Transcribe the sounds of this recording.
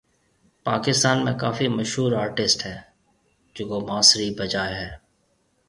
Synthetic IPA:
paːkɪst̪aːnmẽkaːfimɐʃɦuːɾaːɾʈɪsʈɦɛː | d͡ʒoːkomaːsɾibʱɐd͡ʒaːeɦɛː

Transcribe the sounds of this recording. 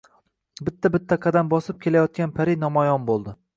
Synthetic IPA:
bɪt̪ʰːabɪt̪ʰːaqʰɑd̪ambɒsɪp̚kʲʰe̞lajɒt̪̚kʲanpʰaɾɪnɒmɒjɒnbolˠd̪ɪ

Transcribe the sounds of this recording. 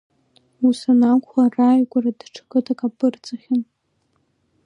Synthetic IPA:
usanakʷʰarajɡʷʼaradʈ͡ʂʰakʼɨtʰakʼapʰʼɨrt͡sʼaχʲɪn

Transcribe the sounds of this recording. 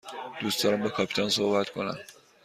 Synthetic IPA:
d̪̥yst̪ʰaɾambakʰapʰi̥t̪ʰansoːbat̪kʰona̰n

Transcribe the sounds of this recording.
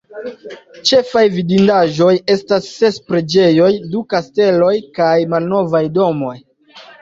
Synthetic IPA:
t͡ʃe̞fajvidindaʒo̞je̞stasːe̞spɾe̞d͡ʒe̞jo̞jdukaste̞lo̞jkajmalno̞vajdo̞mo̞j

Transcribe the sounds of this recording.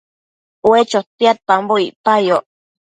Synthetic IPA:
wet͡ʃot̪iat̪̚amboiʔpajoʔ

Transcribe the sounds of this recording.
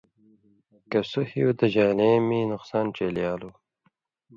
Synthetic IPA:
kɐsuhiud̪əʑaːleːminʊqsɑːnʈ͡ʂeljaːlu

